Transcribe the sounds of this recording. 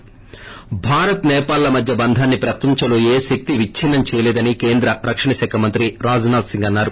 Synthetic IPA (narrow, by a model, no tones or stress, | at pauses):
bʱaːɾɐt̪nɛːpaːlːɐmɐd̪ʱjɐbɐnd̪ʱaːnːipɾɐpɐɲt͡ʃɐloːeːʃek̚t̪iʋit͡ʃːʰinːɐmt͡ʃɛːjɐlɛːd̪ɐnikeːnd̪ɾɐɾɐkʂɐɳɐʃaːkʰɐmɐnt̪ɾiɾaːd͡ʒɐnaːd̪siŋɡɐnːaːɾu